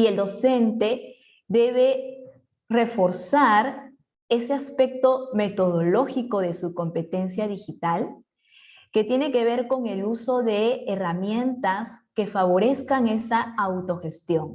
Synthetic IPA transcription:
ie̞ld̪o̞se̞nt̪e̞ | d̪e̞βe | re̞fo̞ɾsaɾ | e̞se̞aspe̞k̚t̪o̞me̞t̪o̞ð̞o̞lo̞xiko̞ðe̞suko̞mpe̞t̪e̞nsjaðixit̪al | ke̞t̪je̞ne̞ke̞β̞e̞ɾko̞ŋe̞luso̞ðe̞ːramje̞nt̪aske̞faβo̞ɾe̞skaŋe̞saawt̪o̞xe̞st̪jo̞ŋ

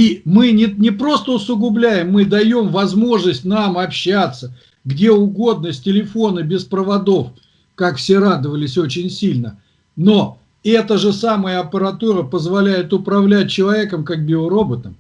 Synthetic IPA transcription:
imɨnʲɪnʲɪpɾo̞st̪əʊsʊɡʊblʲæjɪmːɨd̪ɐjo̞mvɐzmo̞ʐnəsʲtʲnamɐpɕːat̪sːə | ɡdʲe̞ʊɡo̞d̪nəsʲtʲɪlʲɪfo̞nəbʲɪspɾəvɐd̪o̞f | kakfsʲe̞ɾad̪ɨvəlʲɪsʲo̞t͡ɕɪnʲsʲilʲnə | no̞ | ɛt̪əʐɨsaməjəɐpʲəɾɐt̪uɾəpəzvɐlʲæjɪt̪ʊpɾɐvlʲæt̚ʲt͡ɕɪlˠɐvʲe̞kəmkak̚bʲɪlˠəɾo̞bət̪nəm

